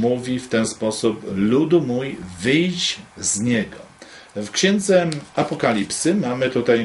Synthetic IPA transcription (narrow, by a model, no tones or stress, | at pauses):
muvʲift̪ɛnspɔsuplud̪umujvɘjt͡ɕzɲɛɡɔ | fkɕɛnd̪zɛapɔkalʲipsɘmamɘt̪ut̪aj